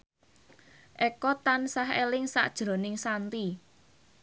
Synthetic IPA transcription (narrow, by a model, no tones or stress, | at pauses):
ʔɛkɔt̪ansaɦelɪŋsa̰ʔd̥ʒ̥ɾo̤nɪŋsant̪i